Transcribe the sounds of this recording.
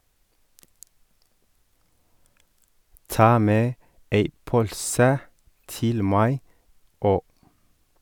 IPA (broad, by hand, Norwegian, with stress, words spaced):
ˈtɑː ˈmeː ˈeɪ ˈpœʎsə ˈtɪl ˈmæɪ ˈoː